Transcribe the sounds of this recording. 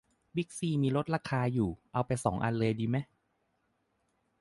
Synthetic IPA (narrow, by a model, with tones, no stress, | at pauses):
bi˦˥k̚siː˧˩miː˧ɾo˦˥t̪̚ɾaː˧kʰaː˧juː˨˩ʔa˧wpa˧jsɔ̰ː˩˦ŋʔa̰˧nlɤː˧jdiː˧ma˦˥j